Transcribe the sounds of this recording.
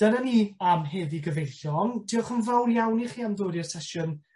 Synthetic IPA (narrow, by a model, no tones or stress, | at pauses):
d̥ənaniːamɦeːðiɡəvejɬɔŋtʰiːɔχənvawrjawniχiːamðoːdiɛrsɛʃʊn